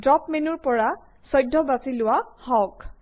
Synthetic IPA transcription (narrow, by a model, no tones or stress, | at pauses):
dɹɔpmenuɹpɔɹa | sɔjdʱːɔbasilʊwahɔk